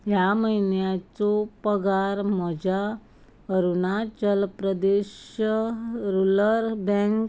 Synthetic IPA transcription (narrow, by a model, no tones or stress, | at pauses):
ɦjaməjinjat͡sɔpəɡaɾm̤əd͡ʑʱa | əɾunat͡ɕəlpɾəd̪eɕ | ɾuləɾbə̃ŋk